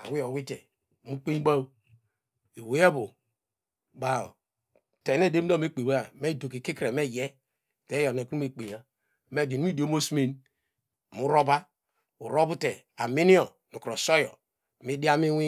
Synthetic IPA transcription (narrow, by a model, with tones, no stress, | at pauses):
a̰˨wi˦o˨wi˦te˨ | mu˦k͡pe˦ɡ͡ba˦wu˦ | i˨we˨˦a˦bu˨ | ba˨o̰˨ | te˨ne˦˨de˦m˦o˦˨me˦k͡pe˨we˦a˨me˦˨do˨ki˨ki˦kɾe˨me˦˨je˦˨ | te˦jo˨ne˨ku˦me˨k͡pe˨ja˨ | me˦˨di˨n˦i˦di˨o˨˦mo˦sme˦n˨ | mu˦ɾo˦ba˦ | u˨ɾo˦bu˦te˨ | a˨mi˦ni˦o˨ | nu˨kɾo˨so˦jɔ̰˨ | mi˦di˦a˦mi˦wi˦